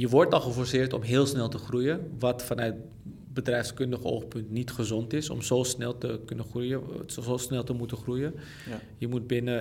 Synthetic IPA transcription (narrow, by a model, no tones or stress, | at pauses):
jəʋɔrtɔlˠxəfɔɹsɪːɹtɔ̰mɦɪːəlˠsnɛlˠtəxrujəʋɔtfanœt | bədrɛjfskʏndəχəo̰ːxpʏntnitχəzɔntɪsɔ̰mzoːsnɛlˠtəkønəxrujəosnɛlˠtəmutəxrujə | jəmut̚bɪnə